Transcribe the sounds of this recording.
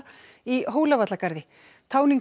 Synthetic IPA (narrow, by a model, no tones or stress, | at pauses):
iɦoːwlavat̪lakaɾðɪ | t̪ʰaːwniŋk